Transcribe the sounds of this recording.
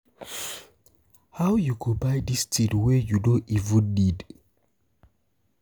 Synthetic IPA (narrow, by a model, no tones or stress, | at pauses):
hawjukʰubajdistʰidwɛjudõʔivə̃ndid